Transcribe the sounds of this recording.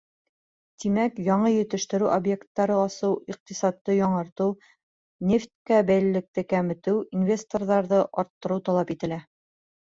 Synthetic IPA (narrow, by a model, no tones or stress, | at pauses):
t̪imækjɒɴɤjɵ̆t̪ɘ̆ʃt̪ɘ̆ɾʉʔobje̞kt̪ːɑɾɤɑsɤwiq̚t̪isɑt̪ːɤjɑɴɑɾt̪ɤw | nʲeft̪kæbæjlɘ̆lɘ̆k̚t̪ɘkæmɘ̆t̪ɘwinvʲe̞st̪orðɑɾðɤʔɒɾt̪ːɤ̆ɾɤwt̪ɑlˠɑpit̪ɘ̆læ